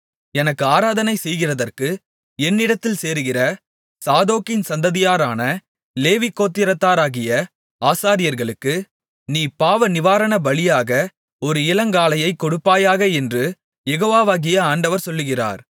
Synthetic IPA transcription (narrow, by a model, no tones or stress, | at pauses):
ɛnɐkːɯaːɾaːðɐnɐɪsɛjɣɪrɐðɐrkɯ | ɛnːɪɽɐt̪ːɪlseːɾɯɣɪrɐ | saːðoːkɪnsɐnd̪ɐðɪjaːɾaːnɐ | leːʋɪkːoːt̪ːɪɾɐt̪ːaːɾaːɣɪjɐ | aːsaːɾɪjɐɾɣɐɭɯkːɯ | niːpaːʋɐnɪʋaːɾɐɳɐbɐɭɪjaːɣɐ | ɔɾɯɪlɐŋɡaːlɐjɐɪkːɔɽɯpːaːjaːɣɐɛndrɯ | jɛɣoːʋaːʋaːɣɪjɐaːɳɖɐʋɐɾsɔlːɯɣɪra̰ːɾ